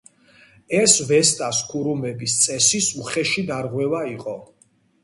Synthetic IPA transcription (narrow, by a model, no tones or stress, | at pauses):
ɛsvɛst̪ʼaskʰuɾumɛbist̪sʼɛsisuχɛʃid̪aɾʁwɛvaiqʼɔ